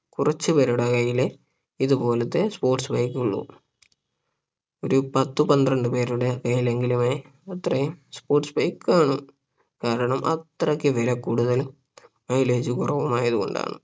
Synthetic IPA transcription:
kurɐt͡ɕːupe̞ːɾuɽekɐjile | iðupo̞ːlɐt̪ːe̞spo̞ːrʈsbɐjkːuɭːṵ | oɾupɐt̪ːɨpɐnd̪rɐɳɖɨpe̞ːɾuɽekɐjile̞ŋɡilume | ɐt̪rɐjumspoːrʈsbɐjkːaːɳɨ | kaːɾɐɳɐmʔɐ̰t̪ːrɐkːɨʋeɾɐkːuːɽuðɐl | mɐjle̞ːd͡ʑukurɐʋɐmaːjɐðuɣo̞̰ɳɖa̰ːɳɨ̰

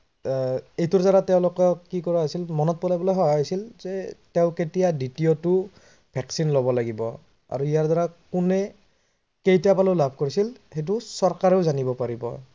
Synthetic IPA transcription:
ejtʊɹzaɹatɛʊ̃lʊkɔkikɔɹaɦajsilmɔnɔt̚pɔlabɔlɔjɦɔjajsilzɛtɛʊ̃ketijaditiɔtʊ | bʱɛksinlobɔlaɡibɔ̰ | a̰ɹuijaɹdaɹakʊnɛ | kejtiapalolabʱkoɹisilxet̬ʊsɔɹkaɹeʊzanibɔpaɹibɔ̰

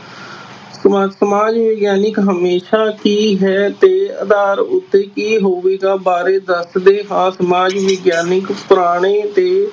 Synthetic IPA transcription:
ssəmaːd͡ʒʋeːɡjaːnɪkɦəmeːʃaːkiːɦɛːt̪eːəd̪aːɾʊt̪ːeːkiːɦoːʋeːɡaːbaːɾeːd̪əsd̪eːɦãːsəmaːd͡ʒʋɪːɡjaːnɪkpɾaːɽ̃eːt̪eː

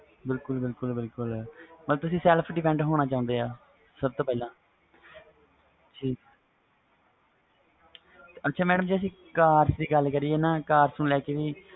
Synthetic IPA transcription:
bɪlkʊlbɪlkʊlbɪlkʊlməlt̪ʊsĩːsɛlpʰɖɪpʰɛ̃ɳɖɦoːɽ̃ãːt͡ʃaːʊ̃nd̪eːaː | səb̚t̪oːpɛːlãː | d͡ʒiː | ətːʃʰaːmɛːɖəmd͡ʒiːəs̬ĩː | kaːɾsd̪iːɡəlkəɾieːnaːkaːɾsnũːlɛːkeːʋiː

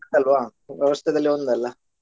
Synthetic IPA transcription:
tɐlʋaːʋʲjɛʋɐst̪ʰɛd̪ɐlːiond̪ɛlːɐ

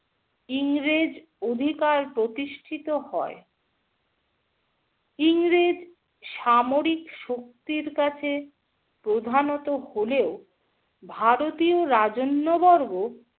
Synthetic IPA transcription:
iŋɾed͡ʑ | od̪ʱikaɾpɾot̪iʃʈʰit̪ohɔe | iŋɾed͡ʑ | ʃamoɾikʃok̚t̪iɾkat͡ɕʰe | pɾod̪ʱanot̪oholeo | bʱaɾot̪ioɾad͡ʑonːobɔɾɡo

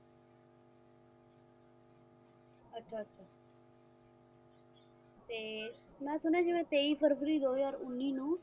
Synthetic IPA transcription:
ətːʃʰaːətːʃʰaː | t̪eː | nɛ̃ːsʊnɛ̃ːd͡ʒɪʋẽːt̪eːiːpʰəɾfəɾiːd̪oːaːɾʊnːiːnũː

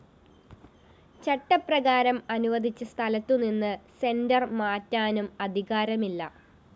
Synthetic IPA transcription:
t͡ɕɐʈːɐprɐɣaːɾɐmɐnuʋɐd̪ʱit͡ɕːɐst̪ʰɐlɐt̪ːuninːɨse̞ndɐrmaːtːaːnumɐd̪ʱiɣaːɾɐmilːɐ̰

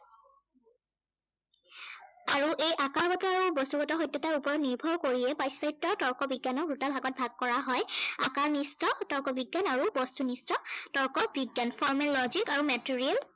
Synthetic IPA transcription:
aɹuʔejʔakaɹbɔtɔaɹubɔstuɡɔtɔɦɔjtːɔtaɹupɔɹɔniɹbʱɔɹkoɹiɛpajsajtːɔtɔɹkɔbiɡːanɔkɹutalbʱaɡɔt̚bʱaɡ̚kɔɹaɦɔjakaɹnistɔtɔɹkɔbiɡːanaɹubɔstunistɔtɔɹkɔbiɡjanpʰɔɹmɛlːɔzikaɹumɛtiɹiɛl

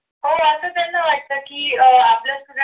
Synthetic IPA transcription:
ɦoasət̪anːaʋaʈ̚t̪əkiːəaplasuɡ

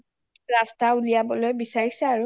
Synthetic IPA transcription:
ɹastaulijabɔlojbisaɹisɛaɹu

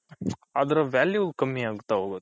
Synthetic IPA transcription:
aːd̪ɐɾɐʋjaːljukɐmːiaːɡut̪ːaɦoːɡo

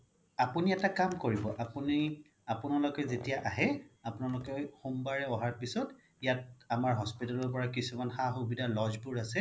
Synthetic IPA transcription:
apuniɛtakamkoɹibɔʔapuni | apʊnalɔkɛzetijaʔaɦɛapʊnalɔkɔxumbaɹɛɔɦaɹpisɔt | ijat̚amaɹɦɔspitalɔɹp̬ɔɹakisumanxaxubidalɔzbuɹasɛ

